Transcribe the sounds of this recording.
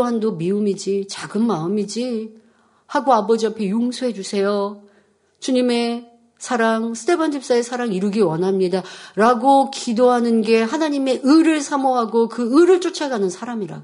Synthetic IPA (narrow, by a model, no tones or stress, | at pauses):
ɦandomiumid͡ʑit͡ɕaɡɯnmaɯmid͡ʑi | haɡoabʌd͡ʑiɦapʰe̞joŋsʰoɦe̞d͡ʑusʰe̞jo | t͡ɕuɲime̞ | sʰaɾaŋsʰɯ̥tʰe̞bʰand͡ʑʰip̚s͈aesʰaɾaŋiɾuɡiwʌnɦamɲidaɾaɡokidoɦanɯnɡe̞ɦanaɲime̞ʔɯɾɯɭsʰamoɦaɡokɯɯɾɯɭt͡ɕ͈ot͡ɕʰaɡanɯnsʰaɾamiɾa̰ɡo